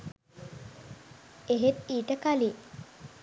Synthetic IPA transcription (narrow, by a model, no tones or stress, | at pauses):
eɦet̪iːʈəkali